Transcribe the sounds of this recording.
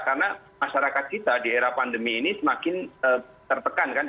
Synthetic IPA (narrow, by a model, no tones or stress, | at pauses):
karəna | maʃaɾakat̪̚t͡ʃit̪adieɾapandəmiːnisəmakɪnəːt̪ərt̪əkankan